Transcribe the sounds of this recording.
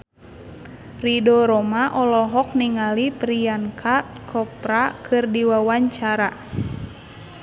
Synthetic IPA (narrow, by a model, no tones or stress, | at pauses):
ridɔɾɔmaʔɔlɔɦɔk̚niŋalipɾiankʰa | kʰɔpɾakʰɨrdiwawaɲt͡ʃaɾa